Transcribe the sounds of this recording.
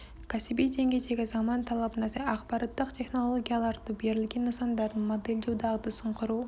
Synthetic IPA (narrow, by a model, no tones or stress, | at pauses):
kasibijd̪e̞ŋɡʲed͡ʒeɡʲezɑmɑnt̪ʰɑlˠɑbnɑsɑqbɑɾɑt̪ːɯqtʲʰe̞χnolˠoɡʲijalˠɑɾd̪ɯbe̞ɾɪlɡʲenːɨsɑnd̪ɑɾd̪ɯnmod̪elʲd͡ʒuwd̪ɑʁd̪ɯsuɴqʊɾuː